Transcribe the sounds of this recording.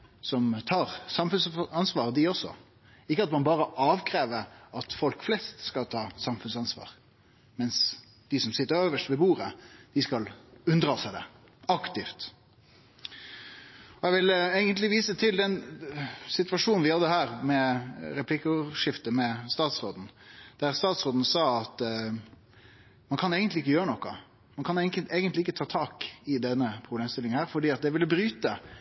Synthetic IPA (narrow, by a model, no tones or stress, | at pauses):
sɔmt̪ʰɑːʁsɑmfʉnsɑnsʋɑːʁd̪ɪɔsɔ̰ | ɪkːəɑt̪mɑnbɑːɾəʔɑːʋkʰɾeːʋəɾɑt̪fɔlkflɛst̪skɑlt̪ʰɑːsɑmfʉnsɑnsʋɑ̰ːʁ | mɛns | d̪̥ɪsɔmsɪt̪ːəɾøːʋəʂtʋɛbuːʁəd̪̥ɪskɑlʉnd̪ʁɑːsæɪd̪ɛ̰ | ɑkt̪ɪft̪ | ɔjɛɡʋɪleɪɡənt̪lɪʋiːsət̪ʰɪld̪ɛn | sɪt̪ʋɑʂuːnn̩ʋɪhɑd̪əhæːʁmɛɾɛpʰlɪkʊʂɪft̪əmɛst̪ɑːt̪sʁoːd̪n̩d̪̥æʁst̪ɑːt̪sʁoːd̪n̩sɑːɑt̪ | mɑnkʰɑneːɡənt̪lɪɪkːəjøːɾənɔkːɑ | mɑnkʰɑnɛeːɡənt̪lɪɪkːət̪ʰɑːt̪ʰɑːkɪd̪ɛnːəpʰɾʊbleːmst̪ɪlːɪŋnhæːʁfɔɖiːɑt̪̚d̪ɛʋɪlːəbɾyːt̪ə